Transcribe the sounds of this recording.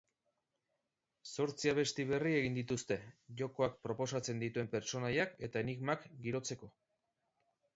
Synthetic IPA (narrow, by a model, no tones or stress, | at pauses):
so̞ɾt͡siaβ̞e̞st̪iβe̞rie̞ɣind̪it̪ust̪e̞ʝo̞ko̞ak̚pɾo̞po̞sat͡se̞nd̪it̪ue̞mpe̞ɾt͡ʃo̞najake̞t̪aeniɣmakɡiɾo̞t͡se̞ko̞